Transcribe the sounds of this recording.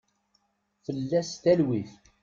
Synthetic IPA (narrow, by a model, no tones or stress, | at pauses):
fəlːæst̪ælwiθ